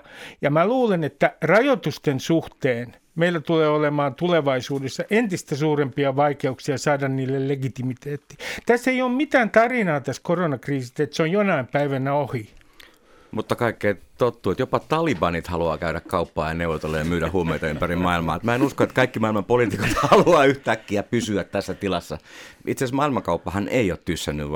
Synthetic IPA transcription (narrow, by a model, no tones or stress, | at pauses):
jɑmæluːlenet̪ːærɑjot̪ust̪ensuht̪eːn | meilːæt̪uleːolemɑːnt̪uleʋɑisuːdesːɑʔent̪ist̪æsuːrempiɑʋɑikeuksiɑsɑːdɑnniːlːelleɡit̪imit̪eːt̪ːi̥t̪æsːeioːmmit̪æːnt̪ɑrinɑːt̪æskoronɑkriːsit̪et̪seojjonɑimpæiʋænæohi | mut̪ːɑkɑikːeːt̪ot̪ːuet̪jopɑt̪ɑlibɑnit̪hɑluɑ̰ːkæyɾækkɑupːɑ̰ːjɑneuʋot̪elːejɑmyːɾæhhuomeit̪ɑympærimmɑilmɑ̰ːt̪mæenuskoet̪kɑikːimɑilmɑmpoliˑt̪ikot̪hɑluɑːyht̪ækːiæpysyæt̪t̪æsːæt̪ilɑsːɑʔit̪sesmɑilmɑŋkɑupːɑhɑneioːt̪t̪ysːænːy̰ʋʋ